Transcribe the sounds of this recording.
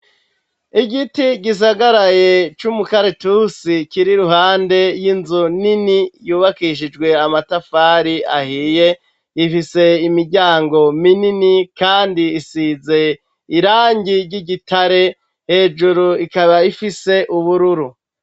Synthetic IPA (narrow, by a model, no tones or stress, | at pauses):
iɡitiɟis̬aɡaɾaje̞t͡ʃumukaɾe̞tusikiɾiɾuɦaːnde̞jinzuninijuːβakiʃ̬id͡ʒɡwe̞amatafaːɾiahiːje | ifise̞imiɾɟaːŋɡo̞mininikaːndiːsize̞ | iɾaːɲɟiɾɟiɟitʰaɾe̞ | he̞ːd͡ʒuɾuikaβaifise̞ʔuβuɾuɾu